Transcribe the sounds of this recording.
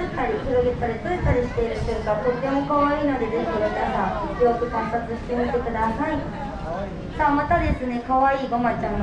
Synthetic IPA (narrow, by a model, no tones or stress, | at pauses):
ɯt̪ːaɾʲiçiɾoɡet̪ːaɾʲit͡soɾet̪ːaɾʲiɕi̥t̪e̞iɾɯ̟ɕeɯkat̪o̞t̪ːe̞mo̞kaβaiːno̞d̪e̞ze̞çʲimɯnasãŋ̃jo̞ːkɯ̟kãmpat͡sɨɕi̥t̪e̞mʲit̪e̞kɯ̟d̪asai | saːmat̪ad̪e̞sɨne̞kaβaiːɡomat͡ɕa